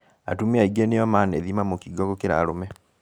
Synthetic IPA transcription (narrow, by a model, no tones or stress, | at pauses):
a̰tumeaiɡeneɔmanɛðimamokiɡɔɡɔkeɾa̰ɾomɛ